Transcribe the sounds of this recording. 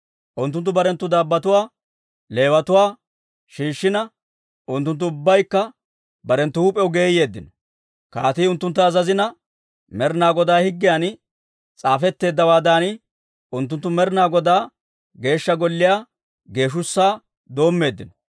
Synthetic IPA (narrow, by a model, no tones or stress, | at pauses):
ʔʊnt̪ːʊnt̪ːʊbɐɾɛnt̪ːʊd̪aːbːɐt̪ʊwaː | le̞ːwɐt̪ʊwaː | ʃiːʃːɪnɐ | ʔʊnt̪ːʊnt̪ːʊʊbːɐjkːɐ | bɐɾɛnt̪ːʊhuːpʼɛʊɡe̞ːje̞ːd̪ːɪnɔ̥ | kaːt̪iːʊnt̪ːʊnt̪ːɐːzɐzɪnɐ | mɛɾnaːɡɔd̪aːhɪɡːɪjaːn | t͡sʼaːfɛt̪ːe̞ːd̪ːɐwaːd̪aːn | ʊnt̪ːʊnt̪ːʊmɛɾɪnaːɡɔd̪aː | ɡe̞ːʃːɐɡɔlːɪjaː | ɡe̞ːʃ̬ʊsːaː | d̪o̞ːmːe̞ːd̪ːɪnɔ̥